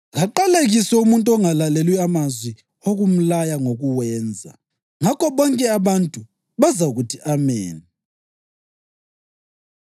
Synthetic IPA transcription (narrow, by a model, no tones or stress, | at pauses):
ɣaǃaleɣiswɛumuntʼɔŋalalelwiamazwi | oɣum̩lajaŋoɣuwɛːnd͡zʱa̰ | ŋakɔβɔŋkʼɛaβantʼu | βazaɣutʰiʔamḛːni